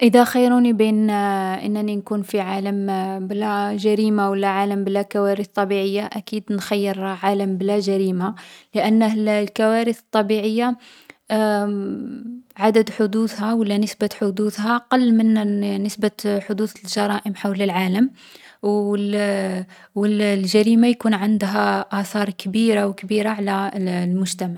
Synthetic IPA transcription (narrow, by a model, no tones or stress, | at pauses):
ʔəd̪æxɑjːɾunibinʔə̰nːninkunfiʕaləmblæʒæɾimawəlːæʕaləmblækæwæɾəθt̪ˤːɑbiʕəjːaʔækid̪nxæjːəɾˤɑʕaləmblæʒæɾimaləʔənːəllkæwæɾəθət̪ˤːɑbiʕəjːa | ʕad̪əd̪ħʊd̪uθhæwəlːænəsbaħod̪uθɦaʔɑqɑlːmənnəsbaħʊd̪uθəlʒɑɾˤɑʔəmħawləlʕaləm | wəl | wəllʒæɾimajkunʕənd̪ɦæʔæθˤɑɾˤkbiɾawkbiɾaʕlælmʊʒt̪æmaʕ